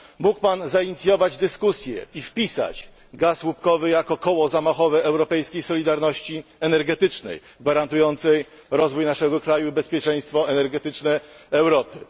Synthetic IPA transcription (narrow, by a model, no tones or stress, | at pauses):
mukpanzaiɲit̪sʲjɔvad͡ʑd̪ɘskusʲjɛ̰ifpʲisa̰t͡ɕ | ɡaswup̚kɔvɘjakɔkɔwɔzamaxɔvɛɛwɾɔpɛjskʲejsɔlʲid̪aɾnɔɕt͡ɕiɛnɛɾɡɛt̪ɘt͡ʂnɛ̰j | ɡvaɾant̪ujɔnt̪sɛj | ɾɔzvujnaʂɛɡɔkɾajuibɛspʲjɛt͡ʂɛj̃st̪fɔɛnɛɾɡɛt̪ɘt͡ʂnɛɛwɾɔpɘ